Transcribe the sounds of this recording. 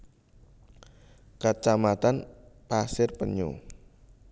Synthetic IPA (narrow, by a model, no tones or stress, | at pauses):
kat͡ʃamat̪anpasɪrpəɲo̰